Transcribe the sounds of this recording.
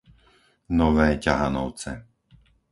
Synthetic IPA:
nɔʋɛːcaɦa̰nɔ̰ʊt͡sɛ̰

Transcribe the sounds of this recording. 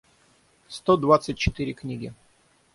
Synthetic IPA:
st̪od̪vat̪sɨtʲt͡ɕːɪt̪ɨɾʲɪknʲiɡʲɪ

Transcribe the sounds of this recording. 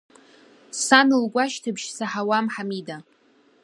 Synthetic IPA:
sanɨlɡʷaʃtʰɨbʃsaħawamħamida

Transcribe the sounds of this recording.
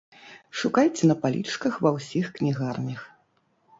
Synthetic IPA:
ʂukajt͡sʲɛnɐpalʲḭt͡ʂkɐxvɐwsʲixknʲiɣarnʲɐx

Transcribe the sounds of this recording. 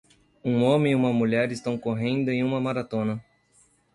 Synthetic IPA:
ũõmẽiũmɐmuʎɛɾɪst̪ɐ̃w̃koɦẽnd̪ʊẽj̃ũmɐmaɾat̪õnɐ

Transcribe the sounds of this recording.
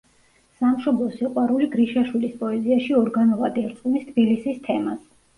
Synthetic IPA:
samʃɔblˠɔsiqʼwaɾuliɡɾiʃaʃwilispʼɔɛziaʃiɔɾɡanɔvad̪ɛɾt̪sʼqʼumist̪ʰb̥ilisist̪ʰɛmas

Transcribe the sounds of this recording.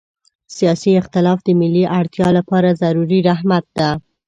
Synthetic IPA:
sijɑsiɪxt̪ɪlɑfd̪əmɪlːiʔaɽt̪jɑlapɑɾazaɾuɾiɾaɦmat̪̚d̪a

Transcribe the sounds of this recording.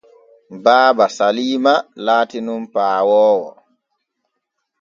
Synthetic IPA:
baːbasaliːmalaːtinumpaːwɔːwɔ̰

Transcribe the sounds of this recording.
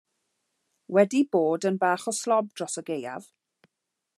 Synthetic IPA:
wɛdiboːdənbaːχɔslɔb̚d̥rɔsəɡeja̰v̥

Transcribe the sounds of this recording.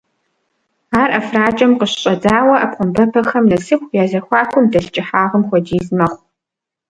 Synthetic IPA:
aːrʔɐfraːt͡ʃʼɐmqəɕɕʼɐdaːwɐʔɐp̚qʷʊmbɐpʰɐxɐmnɐsɨxʷjaːzɐxʷɑːxʷʊmdɐɬt͡ʃʼɪħaːʁəmxʷɔd͡ʒiːzmɐχʷ

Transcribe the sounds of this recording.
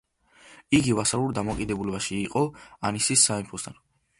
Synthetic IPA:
iɡivasaluɾd̪amɔkʼid̪ɛbulɛbaʃiːqʼɔanisisːaimpʰɔst̪ʰan

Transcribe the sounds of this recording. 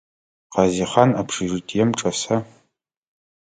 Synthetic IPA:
qɑziχanapʰʂɨʐɨtʰʼjɛmʈ͡ʂʼɐsɐ

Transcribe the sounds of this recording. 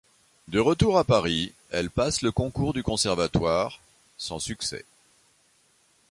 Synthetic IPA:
d̪əʁət̪uʁapaʁi | ɛlpasləkɔ̃kuʁd̪ykɔ̃sɛʁvat̪waʁ | sɑ̃syksɛ̰

